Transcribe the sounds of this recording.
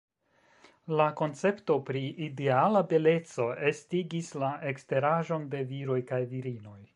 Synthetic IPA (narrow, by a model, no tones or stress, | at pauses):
lako̞nt͡se̞pto̞pɾiide̞alabe̞le̞t͡so̞estiɡislaʔe̞kste̞ɾaʒo̞nde̞viɾo̞jkajviɾino̞j